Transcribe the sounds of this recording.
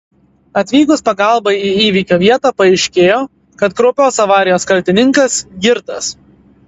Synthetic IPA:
ɐt̪ʲʋʲiːɡʊspɐɡɑˑlˠbɐɪiiːʋʲiːkʲoːʋʲiɛt̪ɑːpɐɛɪʃʲkʲeːjoː | kɐt̪kɾoːpʲoːsɐʋɑːɾʲɪjoːskɐlʲt̪ʲɪnʲɪŋkɐsɡʲɪɾt̪ɐs

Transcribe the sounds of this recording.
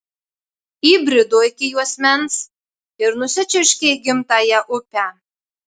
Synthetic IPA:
iːbʲɾʲɪd̪oːɪkʲɪjuɔsʲmʲɛns | ɪɾnʊsʲɪt͡ʃʲʊʃʲkʲɛɪɡʲɪmt̪ɑjɛʔʊpʲæ

